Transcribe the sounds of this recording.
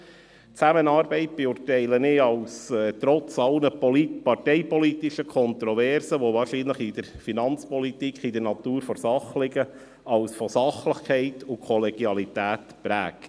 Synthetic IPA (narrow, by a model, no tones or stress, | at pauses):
t͡sæmənɑːɾbɛɪt̚b̥ɛuːɾtɛɪlənɪɑlʊsɛt̪ɾɔt͡sɑlnəlipɑrtɛɪpɔlit̪ɪʃəkʰɔnt̪ɾɔvɛɾsəʋovɑːɾʃiːnləχid̪əɾfinɑnt͡spɔlit̪ikχid̥əɾnɑt̪uːɾfɔɾsɑχlɪɡə | ʔɑwsfɔsɑχləχkʰɛɪt̪ʊkʰɔlɛɡ̥jɑlit̪æːt̪pɾæːk